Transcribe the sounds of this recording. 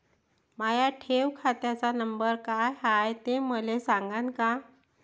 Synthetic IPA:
majaʈʰeʋkʰat̪jat͡sanəmbəɾkajɦajt̪eməlesaŋɡãnka

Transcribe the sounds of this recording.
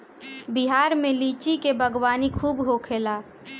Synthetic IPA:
biɦaːɾmẽliːt͡ʃikebʱəɡwaːnikʰuːbɦoːkʰeːlaː

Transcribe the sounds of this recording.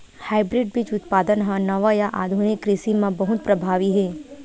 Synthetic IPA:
haːɪbɾɪɖbʱit͡ʃʊt̪̚paːd̪ənɦãnɐʋajaʔa̰ːd̪ʱunɪkːɾɪsimãbəɦʊt̪̚pɾɐbʱaːʋiɦɛː

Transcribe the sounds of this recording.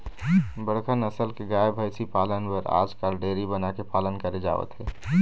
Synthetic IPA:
bəɽkʰənəsəlkeɡaːebʱəjsipaːlənpəɾa̰ːd͡ʒkalɖeːɾibənakepaːlənkəɾed͡ʒa̰ːʋə̰t̪ɦɛː

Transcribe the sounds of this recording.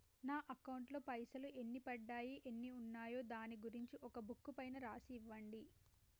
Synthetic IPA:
naːʔɐkɐwuɳʈloːpɐjsɐluʔe̞nːipɐɖːaːjiʔenːiunːaːjo̞ːd̪aːniɡuɾiɲt͡ʃiʔɔkɐbukːupɐjnɐɾaːsiːʋːɐɳɖi

